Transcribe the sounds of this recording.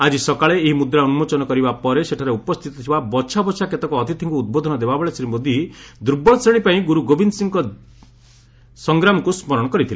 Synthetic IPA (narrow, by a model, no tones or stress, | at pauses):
ad͡ʒisɔkaɭeːɦimud̪ɾaunumot͡ʃɔnɔkɔɾibapɔɾeseʈʰaɾeupɔst̪ʰit̪ɔt̪ʰibabɔt͡ʃʰabɔt͡ʃʰaket̪ɔkɔɔt̪it̪ʰiŋkuːd̪̚bod̪ʱɔnɔd̪ebabɔɭesiɾimod̪ʱid̪uɾbɔɭsɾeɽ̃ipaĩɡuɾuɡobinsiŋkɔ | sɔŋɡɾamɔkusmɔɾɔɽ̃ɔkɔɾit̪ʰila